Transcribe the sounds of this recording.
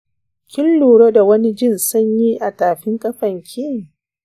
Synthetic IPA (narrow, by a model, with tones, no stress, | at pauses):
kʲɪ˦lːuː˨ɽo˦da˨wɐ˦ni˦d͡ʒɪ˦˨nsʊ˦ɲjiː˦ʔa˨taː˨ɸɪ˦ŋkʼɐ˦ɸɐ˨ŋkʲʰɪ˦˨ŋ˨